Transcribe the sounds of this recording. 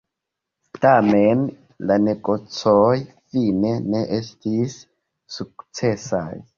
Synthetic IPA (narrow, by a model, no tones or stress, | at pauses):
tamen | lanekʼot͡sɔjfineneʔestʰisː | ukt͡sɛsa̰j